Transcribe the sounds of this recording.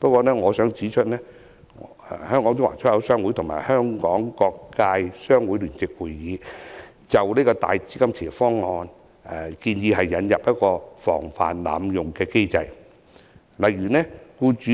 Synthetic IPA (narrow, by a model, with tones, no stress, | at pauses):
pɐ˥kʷɔː˧nɛː˥ŋɔː˨˧sœː˨˥ŋt͡siː˨˥t͡ʃʰɵ˥t̚nɛː˥˨ | hœː˥ŋkɔː˨˥ŋt͡ʃʊ˥ŋwa̰˨˩t͡ʃʰɔː˥jɐ˨˧˥wsœː˥ŋwu˨˥jt̪ʰʊ˨˩ŋma̰ː˨˩jhœː˥ŋkɔː˨˥ŋkɔː˧kːaː˧jsœː˥ŋwuː˨˥jlyː˨˩nt͡sɪ˨k̚wu˨˩jjiː˨˧ | t͡sɐ˨wniː˥kɔː˧t̪a̰ː˨jt͡siː˥kɐ˥mt͡sʰiː˨fɔː˥ŋːɔː˧n | ɛ˨˩kiː˧njiː˧hɐ˨jːɐ˨˧njɐ˨p̚jɐ˥t̚kɔː˧fɔ̰ː˨˩ŋfa̰ː˨nla̰ː˨mjʊ˨˩ŋkɛː˧ke˥jt͡sɐ˧j | lɐ˨jyː˨˩nɛː˥kuː˧t͡ʃyː˨˧˥